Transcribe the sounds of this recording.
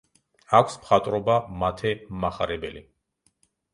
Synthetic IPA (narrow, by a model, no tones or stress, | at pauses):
akʷʰsmχat̪ʼɾɔbamat̪ʰɛmmaχaɾɛbɛlḭ